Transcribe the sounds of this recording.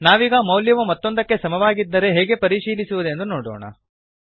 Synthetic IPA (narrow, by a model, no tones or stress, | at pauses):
naːʋiːɡɐmɐwljɐʋumɐt̪ːo̞nd̪ɐkːe̞sɐmɐʋaːɡid̪ːɐɾe̞ɦɛːɡe̞pɐɾiʃiːlisuʋud̪e̞nd̪unoːɽo̰ːɳɐ̰